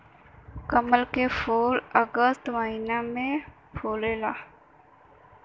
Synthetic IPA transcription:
kəməlkefoːləɡəst̪ʋainamẽ | fʰoːlelaː

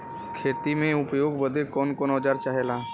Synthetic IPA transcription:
kʰeːt̪imẽʊpjoːɡbəd̪ʱɪɾkɔːnkɔːnɔːd͡ʒaːɾt͡ʃaːɦelaː

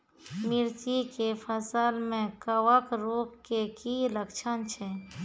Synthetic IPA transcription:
mɪɾt̪ikepʰəsalmẽkəwəkɾoːkːekiləkt͡ʃʰənt͡ʃʰɛ

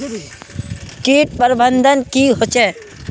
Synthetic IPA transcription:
kiːʈ̚pəɾbənd̪ʱənkiɦot͡ʃɛ̃ː

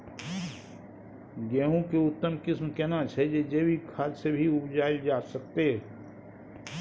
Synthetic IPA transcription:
ɡɛːɦũkeʊt̪ːəmkɪsmkenat͡ʃʰɛd͡ʒed͡ʒeːwikʰaːlsebʱiʊbd͡ʒaːɪld͡ʒaːsɐk̚t̪eɦɛ

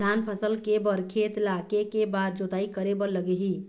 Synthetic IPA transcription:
anpʰəsəlkebəɾkʰet̪lakekebad̪̚d͡ʒot̪aikəɾebəɾləɡeɦi

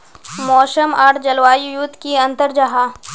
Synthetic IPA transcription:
mɔːsəmaːɾd͡ʒɐlwaːjjut̪ːkiɐ̃nt̪əɾd͡ʒɐɦaː

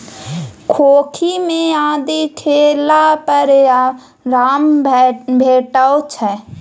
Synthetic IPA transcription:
kʰoːkʰimẽaːd̪ikʰeːlapəɾja | ɾaːmbʱeːʈəot͡ʃʰɛ

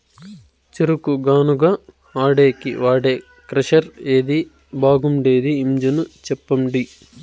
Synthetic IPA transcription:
t͡ʃeɾukuɡaːnuɡaː | aːɽeːkḭʋaːɽeː | kɾɐʃɐɾeːd̪i | bʱaːɡumɖeːd̪iːmd͡ʒɐnut͡ʃɛpːɐɳɖi

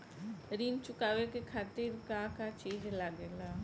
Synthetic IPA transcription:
ɾiːnt͡ʃʊkaːʋekekʰaːt̪iɾkakat͡ʃiːd͡ʒlaɡela

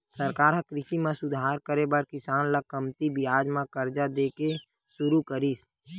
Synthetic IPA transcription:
səɾkaːɾɦãkɾɪʃimãsʊd̪ʱaːɾkəɾebaɾkɪsaːnlakəmt̪ibɪjaːd͡ʒmãkəɾd͡ʒad̪eːke | sʊɾukəɾis

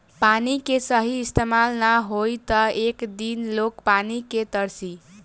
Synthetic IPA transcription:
panikesʌɦiːst̪emalnaɦojt̪ʌekd̪inlokpaniket̪ʌɾsi

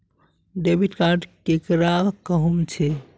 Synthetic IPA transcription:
ɖebʱiʈkaɖkekɾakəɦumt͡ʃʰɛ

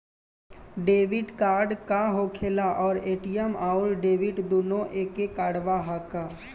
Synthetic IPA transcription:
ɖeːʋɪɖkaːɾɖkaɦokʰeːlaʔɔːɾeːʈijəmaːʊlɖeːʋɪʈd̪uːnõʔeːkekaːɽʋaɦakaː

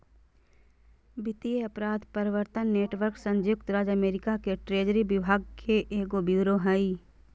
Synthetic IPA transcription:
bɪt̪ieɐpɾaːd̪pəɾɪʋəɾt̪ənːeːʈʋəɾksə̃ɲd͡ʒjʊkt̪ɾaːd͡ʒəmeːɾɪkakeʈɾeːd͡ʒɾibɪbʱaːɡkʰeʔeːɡobjuːɾoɦəi

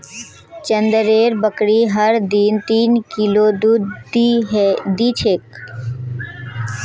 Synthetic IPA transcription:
t͡ʃə̃nd̪əɾeːɾbəkɽiɦəɾd̪iːnt̪iːnkiloːd̪ud̪ | d̪iːt͡ʃʰeːk

